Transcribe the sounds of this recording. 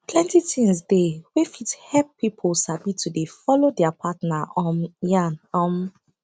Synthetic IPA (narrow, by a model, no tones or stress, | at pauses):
pʰlɛ̃ntitĩŋsdewefidhɛppipʰɔlsabitudefɔlodɛapʰatnaɔmjanɔm